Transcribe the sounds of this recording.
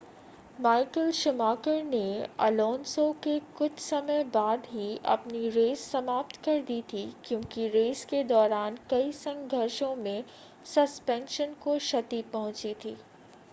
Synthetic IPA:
maːɪkəlʃɪmaːkəɾneɐ̰lɔːnsokekʊt͡ʃʰsɐməjbaːd̪ɦiʔɐ̰pniɾeːsːɐmaːp̚t̪kɐɾd̪it̪ʰikjõːkiɾeːsked̪ɔːɾaːnkɐisɐ̃ŋɡɡʱɐɾʃõmẽ | sɐspɛ̃ːnʃənkoʃɐt̪ipɐɦʊ̃t͡ʃit̪ʰiː

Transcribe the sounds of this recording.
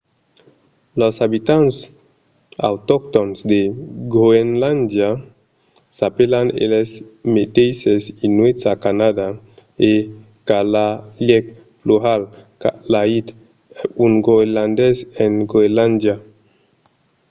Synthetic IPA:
losaβit̪ans | a̰wt̪ok̚t̪onsd̪eɡoenland̪ja | sapelanḛlesmet̪ejsesinwesakanad̪a | e | kalaljɛk̚ | pluɣalkalait̪ | unɡoeland̪ɛsenɡoeland̪ja

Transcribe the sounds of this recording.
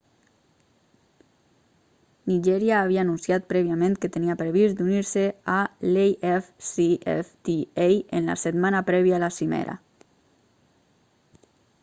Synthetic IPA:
niʒɛɾjaːβ̞iaːnunsiat̪̚pɾɛβiamẽnkət̪əniapɾəβizd̪uniɾsealejɛfsiɛ̰ft̪iejənla̰set̪manapɾɛβiaːlasimḛɾa̰

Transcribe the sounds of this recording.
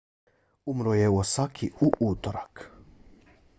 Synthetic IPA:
umɾojɛwosakʰiuʔuːt̪oɾak

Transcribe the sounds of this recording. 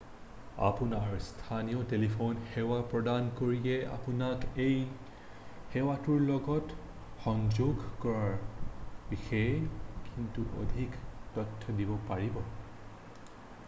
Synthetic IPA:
a̰punaɹstʰanijɔtelipʰonxɛwapɹɔdankoɹiɛa̰punakej | xewatuɹlɔɡɔt | xɔŋd͡ʒoɡkɔɹaɹbixɔjkʰintuʔo̰dʱiktɔtʰːɔdibɔpaɹibɔ

